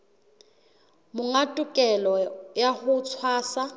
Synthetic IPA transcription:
mʊŋatʼʊkʼɛlɔjahʊt͡sʰwaːsa

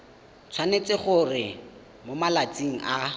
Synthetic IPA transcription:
t͡sʰwanet͡sɪχʊrɪ | momalat͡siŋ̩ʔa

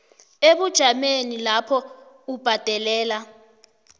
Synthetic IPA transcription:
eɓud̥ʒ̥ʱamenilapʰɔ | ub̥ʱad̥ʱɛlɛːla

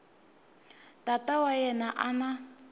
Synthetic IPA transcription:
tatawajɛnaʔana

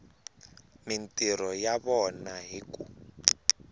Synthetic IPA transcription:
mintʼiɾɔjaβɔnaɦiku

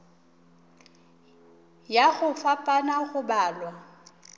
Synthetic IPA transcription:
jaɣʊfapʼanaɣʊbaːlwa

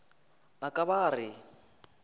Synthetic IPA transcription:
akʼaβaːrɪ

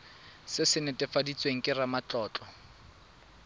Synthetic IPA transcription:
sɪsɪnɛtʼɛfadit͡sʼweŋ̩kʼɪramat͡ɬɔːt͡ɬʼɔ

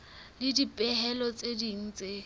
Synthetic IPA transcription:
lɪdipʼɛɦɛlɔt͡sʼediŋ̩ːt͡sʼe

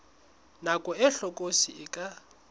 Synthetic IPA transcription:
nakʼɔɛɬɔkʼosiɪkʼa

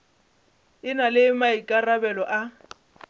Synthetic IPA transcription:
ɪnalɪmaikʼarabɛlɔʔa

